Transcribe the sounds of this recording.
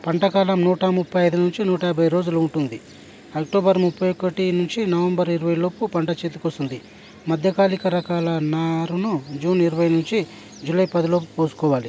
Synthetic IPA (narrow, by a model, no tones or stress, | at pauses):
pɐɳʈɐkaːlɐmnuːʈɐmupʰːɐjɐjd̪unuɲt͡ʃinuːʈɐɐbʱɐjɾo̞ːd͡ʒuluuɳʈund̪i | ɐk̚ʈoːbɐɾmupʰːɐjokːɐʈinuɲt͡ʃinɐʋɐmbɐɾiɾɐʋɐjlo̞ːpupɐɳʈɐt͡ʃeːt̪ukost̪und̪i | mɐd̪ʱjɐkaːlikɐɾɐkaːlɐnaːɾunud͡ʒuːniɾɐʋɐjnuɲt͡ʃi | d͡ʒulɐjpɐd̪ilo̞ːp̬u̥poːsu̥kɔːʋaːli